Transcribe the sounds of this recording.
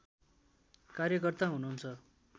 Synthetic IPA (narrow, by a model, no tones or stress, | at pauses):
karjʌkʌrt̪aɦununt͡sʰʌ